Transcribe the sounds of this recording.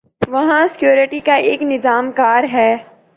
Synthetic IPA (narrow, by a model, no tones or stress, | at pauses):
ʋɐɦãsɪ̥kjoːɾɪʈikaeːknɪzaːmkaːɾɦɛː